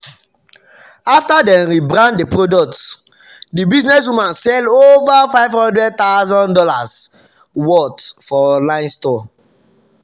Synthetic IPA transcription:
aftadɛ̃nɹibɾãndepɹodɔk̚t | dibiznɛs̬wũmãnsɛlovafaɪvhɔ̃ndɹɛd̚t̪aʊzɔ̃ndɔlas | wɔtfɔlãɪ̃nstɔ

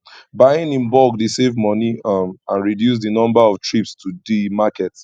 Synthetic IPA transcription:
bajɪ̃nĩnbɔɡdesevmɔnimãnɹidjus̬dinɔ̃mbaɔvtɹipstʰudimakɛt

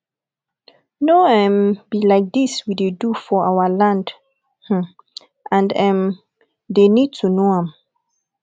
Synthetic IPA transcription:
noɛ̃mbilaɪk̚d̪iswidedufɔawəlãnd | h̩ | ʔãndɛ̃m | d̪enid̚tʰunoãm

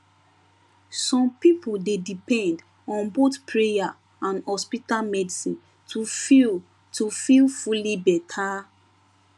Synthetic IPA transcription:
sɔ̃mpipuldedipɛ̃nd | ɔ̃nbotpʰɹeja | ãnhɔspitalmɛdisĩn | tu | tufilfulibɛtʰa

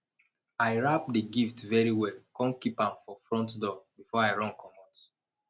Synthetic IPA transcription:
aɪɹapdiɡiftvɛɹiwɛlkɔ̃nkipãmfɔfɹɔ̃ntdɔbifɔaɪɹɔ̃nkʰɔmɔt

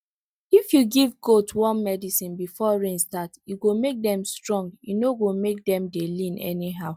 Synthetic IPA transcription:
ifjuɡivɡotwɔ̃nmɛdisĩnbifɔɹẽnstatjuɡomek̚dɛ̃mstɹɔ̃ŋɡjunoɡomek̚dɛ̃mdelĩnʔɛ̰niɦaʊ

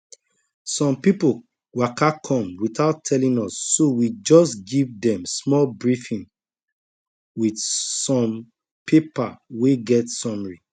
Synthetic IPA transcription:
sɔ̃mpipo | wakakʰɔ̃mwitaʊtʰɛlĩnɔsːowid͡ʒɔsɡivdɛ̃msmɔlbɹifĩn | widsɔ̃m | pʰepa̰weɡɛtsɔ̃mɹi

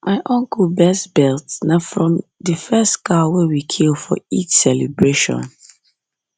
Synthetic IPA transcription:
maɪʔɔ̃ŋkəlbɛstbɛltnafɹɔ̃mðəfɛstkawɛwikʰilˠfɔ̰it͡ʃsɛlɛbɹeʃɔ̰̃n

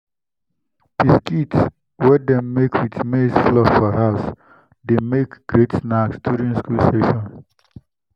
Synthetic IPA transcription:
piskits | wɛdɛmekʰwitmesflɔfɔhaʊs | demekɡ̥ɾetnaksd̥uɾĩnskulsteʃɔ̃n

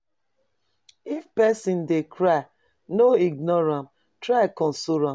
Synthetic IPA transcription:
ifpɛsĩndekʰɾaɪ | noiɡ̚nɔɹãm | tɾaɪkɔ̃nsoɾãm

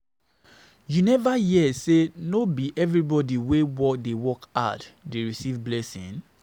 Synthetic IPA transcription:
junɛvajiɛsenobiʔɛvɹibɔdiwewɔdewɔka̰ddeɹisivblɛsḭ̃n

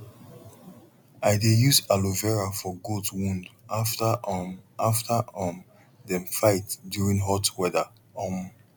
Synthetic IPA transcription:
aɪdejusaluvɛɹafɔɡotwũndat | aftʰaɔm | dɛ̃mfaɪtdjuɹĩŋɦɔtwɛðə | ɔm

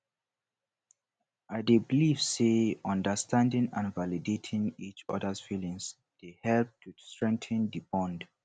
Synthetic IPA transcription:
aɪdebilivseɔ̃ndəstʰãndĩŋã̰nvalidetʰĩŋit͡ʃɔ̰dəsfilĩŋz | d̥ehɛlp̚tʰustɹɛ̃ŋk̚tə̃ndibɔ̃nd

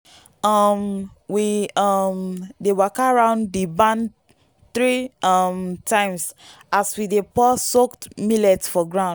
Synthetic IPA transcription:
ʌm | wiʌmdewakaɹãʊ̃ndibãn | θɹiʌmtʰãɪ̃ms | aswidepɔssoktmilɛtfɔɡɹãʊ̃n

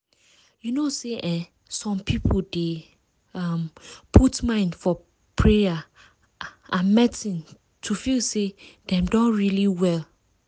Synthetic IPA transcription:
junoseʔɛ̃ | sɔ̃mpʰipʰlde | ampʰutmãɪ̃ndfɔ | pʰɹɛja | ʔãnmɛtĩn | tʰufilsed̥ɛ̃mdɔ̃nɹiliwɛl

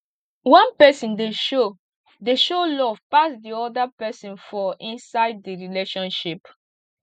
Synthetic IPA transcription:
wɔ̃npɛsĩndeʃo | deʃolɔvpasdiɔdapɛsĩnfɔĩnsaɪd̚iɹileʃɔ̃nʃip

